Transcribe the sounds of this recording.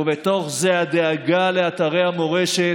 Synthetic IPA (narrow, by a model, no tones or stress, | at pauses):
vet̪o̞χzead̪eaɡaleat̪aʁehamo̞ʁeʃe